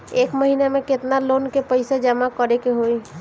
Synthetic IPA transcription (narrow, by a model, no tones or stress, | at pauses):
eːkməɦinemẽket̪nalonkepəɪsed͡ʒəmakəɾekeɦoi